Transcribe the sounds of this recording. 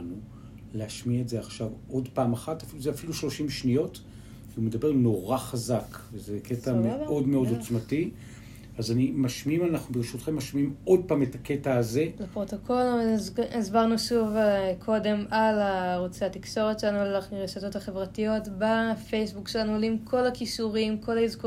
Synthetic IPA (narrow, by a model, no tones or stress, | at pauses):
nu | lehaʃmietzeaχʃavo̞dpaːmaχatafiluzeafiluʃlo̞ʃimʃnijo̞t | viumedabe̞ʁno̞ʁaχazakvezekʰetameʔo̞dmeo̞dot͡smati | azanimaʃmiimalnaχnubeʁeʃutχemːaʃmiimo̞d̚paːmetaketaːze̞lepʁo̞tokʰo̞lizbaʁnuʃuvkʰo̞de̞malaʁot͡seat̪ikʃo̞ʁett͡ʃʃelanualaʁeʃato̞thaχe̞vʁatijo̞tbafejsbukʃelanuolimkʰo̞lakiʃuʁimkʰo̞laizko